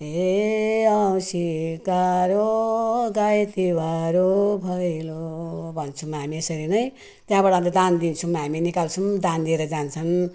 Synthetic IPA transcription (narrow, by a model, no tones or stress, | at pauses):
e | ʌwsikaɾoɡajt̪ibaɾobʱʌjlobʱʌnt͡sʰumɦamiesʌɾinʌj | t̪jãbaɽãt̪ʌd̪and̪int͡sʰumɦaminikalt͡sʰumd̪and̪ieɾʌd͡zant͡sʰʌn